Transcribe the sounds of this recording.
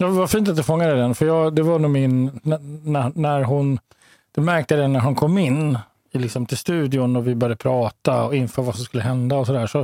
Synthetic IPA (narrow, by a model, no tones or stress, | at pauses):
jɑːvafiːnt̪at̪̚d̪ɛfɔŋːad̪ɛd̪ɛnfœɾjɑːɡd̪ɛvanuːmɪnː | nænæɾɦʊn | d̪̥ɛmæɾk̚t̪əd̪ɛnːæɾɦʊnkʰɔmːɪnː | ɪlɪksɔmt̪ʰɪlst̪ʉ̟ːd̪ɪʊnɔvɪbœɾjdəpʰɾɑːt̪aɔɪnføːɾvasɔmskɵlːəɦɛnd̪aɔsɔd̪æːʂɔ